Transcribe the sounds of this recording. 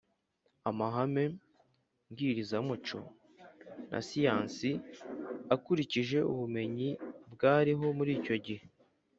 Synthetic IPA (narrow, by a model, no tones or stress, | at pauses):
amaɦame̞ | ŋɡiːɾizamut͡ʃo̞̰ | nʔa̰sijaːnsi | akuɾiciʒe̞ʔuβume̞ɲibɡaːɾiɦo̞muɾiːco̞ɟihe